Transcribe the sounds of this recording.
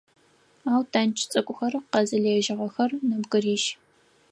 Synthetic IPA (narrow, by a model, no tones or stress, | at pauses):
aːwtʰaːnt͡ʃʰʼt͡sʼɐkʷʼʊxɐrɨqɑzɐɮeːʒɪʁɐxɐrnɐbɡɨriːʃ